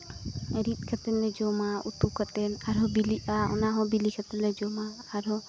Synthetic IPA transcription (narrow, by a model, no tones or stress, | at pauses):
ɾit̪̚ˀkʰɛt̪ɛnlɛd͡ʒɔmaut̪ukat̪ɛnaɾɦɔbiliʔaɔ̰naɦɔ̃bilikʰat̪ɛnlɛd͡ʒɔmaːɾɔ